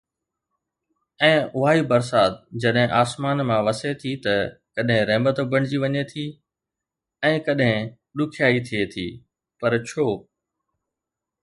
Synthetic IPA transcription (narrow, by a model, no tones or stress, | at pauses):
ɛ̃ːʔʊɦaːibɐɾsaːt̪d͡ʑɐɗɦɪ̃ʔaːsmaːnmãʋɐset̪ʰit̪ɐkɐɗɦɪ̃ɾɛ̃ːmət̪bɐɽ̃ɪd͡ʑiʋɐɲet̪ʰi | ɛ̃ːkɐɗɦɪ̃ | ɗʊkʰjaːit̪ʰiet̪ʰḭː | pɐɾt͡ɕʰoː